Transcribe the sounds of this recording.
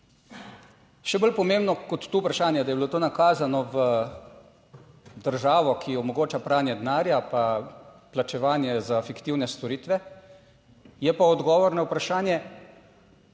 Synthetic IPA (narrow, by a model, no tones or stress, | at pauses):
ʃɛbolpɔmembnɔkɔt̪ːoːupɾaʃaːnjɛd̪ajɛbilot̪oːnakaːzanɔʋə | d̪əɾʒaːʋɔkʰiɔmɔɡoːt͡ʃapɾaːnjɛd̪naːɾjapa | plat͡ʃɛʋaːnjɛzafikt̪iwnɛst̪ɔɾiːt̪ʋɛ | jɛpaɔd̪ɡɔːʋɔɾnawpɾaʃaːnjɛ